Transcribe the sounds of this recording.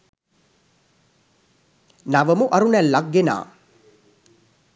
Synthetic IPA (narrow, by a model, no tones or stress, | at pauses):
naʋəmuʔaɾunɛlːaɡːena̰ː